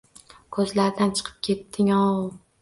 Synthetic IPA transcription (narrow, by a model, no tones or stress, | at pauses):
kʰɵzlaɾd̪ant͡ʃʰɨ̥qʰɨ̥p̚kʲʰe̞t̪ʰːɪŋɒw